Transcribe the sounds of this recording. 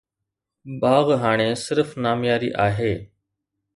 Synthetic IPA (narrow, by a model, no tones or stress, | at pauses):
baːɣɦaːɽ̃eːsɪɾfnaːmjaːɾḭːʔaːɦeː